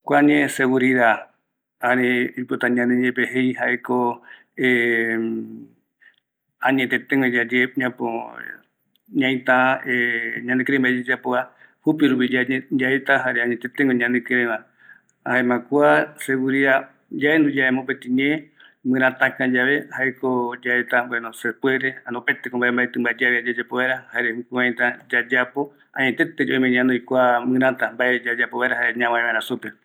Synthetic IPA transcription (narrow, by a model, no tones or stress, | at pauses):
kʷaɲẽseɡuɾiða | aɾeipot̪aɲãnẽd͡ʒepeɦejhaʔeko | e | ãɲẽt̪et̪ẽŋɡed͡ʒad͡ʒeɲãpo | ɲãj̃t̪ãeɲãnẽkɾẽmbaed͡ʒad͡ʒapoa | hupiɾupid͡ʒad͡ʒaet̪aɦaɾeaɲẽt̪et̪ẽŋɡoɲãnẽkɨɾẽβã | aemãkuaseɡuɾia | d͡ʒaend̪ud͡ʒaemõpet̪ĩɲẽ | mɨ̃ɾãt̪ãkãd͡ʒaβe̞haekod͡ʒaet̪aboenõsepweɾeanõpet̪ekõmbaʔembaʔet̪ɨmbad͡ʒaβiad͡ʒad͡ʒapoβaeɾahaeɾehukwãẽt̪ãd͡ʒad͡ʒapo̞ | ã̰ɲẽt̪et̪ed͡ʒo̰imeɲãnd̪ojkʷamɨ̃ɾãt̪ambaʔed͡ʒad͡ʒapoβaeɾaɦaeɲãwãẽβaeɾãsupe